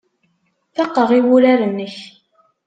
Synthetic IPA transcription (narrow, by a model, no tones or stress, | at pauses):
θɑqːəʁiwʊɾaɾənːəç